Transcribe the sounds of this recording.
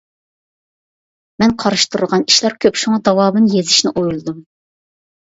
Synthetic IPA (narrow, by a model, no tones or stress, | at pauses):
mɛnqʰɑɾɨʃt̪uɾʊʁɑniʃlˠɑɾkʲʰøpʃuŋɑd̪ɑwɑːmɨnjezɪʃnɪʔojulˠɨd̪um